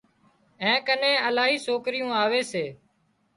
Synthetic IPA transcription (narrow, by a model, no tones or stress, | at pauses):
ɛ̃ːkənẽːəlaːɦiːsoːkɾɪjũːaːʋeːseː